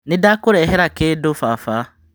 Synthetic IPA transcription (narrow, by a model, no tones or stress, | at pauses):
nɪdakʊɾɛɦɛɾakeːdofafa